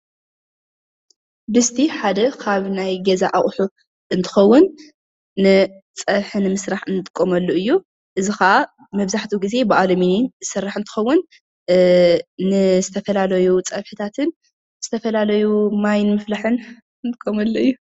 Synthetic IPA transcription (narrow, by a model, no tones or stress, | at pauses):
bɨst̪ʰiħad̪ɐkʰaβnajɡɐzaʔaʔʼħu | ʔɨnt̪ʰɨ̥xɐwːʊnː | ɨt͡sʼɐβħɨnmɨsɾaħɨnt̪ʼɨkʼːomɐlːuʔɨjːu | ʔɨzikɐʔa | mɐβzaħt̪ʰuɡize̞bɨʔalɐmininzɨsɐrːaħɨnt̪ʰɨ̥xɐwːʊn | nɨzɨt̪ʰɐfɐlalɐjut͡sʼɐβħɨt̪ʰat̪ʰɨn | z̥ɨt̪ʰɐfɐlalɐjumajnmɨflaħɨn | ɨnt̪ɨkʼːomɐlːuɨjːu